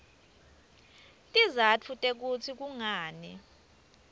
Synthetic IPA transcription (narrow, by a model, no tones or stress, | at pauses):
tʼizat͡fʰutʼek̬ut͡sʰik̬uŋaːnɛ